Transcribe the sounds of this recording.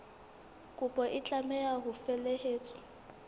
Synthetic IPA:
kʼʊpʼɔʔɪt͡ɬʼamɛaɦʊfɛleheːt͡sʼɔ̥

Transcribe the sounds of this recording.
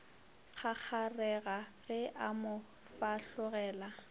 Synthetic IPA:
k͡xʰak͡xʰarɛɣaɣɛʔamʊ | faɬʊɣɛːla

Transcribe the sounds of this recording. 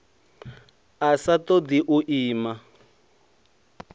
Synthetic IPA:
asatɔd̪iʔuʔiːma

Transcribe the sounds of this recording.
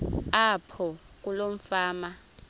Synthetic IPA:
apʰɔ | k̬ʼulom̩faːma

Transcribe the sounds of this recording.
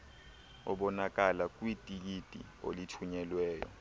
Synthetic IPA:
ɔ̰ɓɔnak̬alak̬ʼwitʼik̬itʼḭ | o̰litʰuɲɛlwɛːjɔ̰

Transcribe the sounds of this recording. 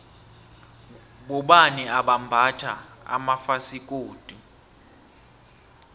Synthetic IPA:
ɓɔɓaniaɓambʱatʰaa̰mafasikʼoːd̥ʱu

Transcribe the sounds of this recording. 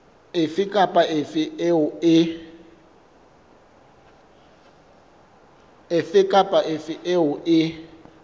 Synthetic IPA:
ɪfɪkʼapʼaʔɪfɪɪʊɪ | ɪfɪkʼapʼaʔɪfɪʔeɦʊʔɪ

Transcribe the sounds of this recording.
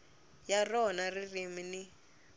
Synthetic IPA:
jarɔnaririmini

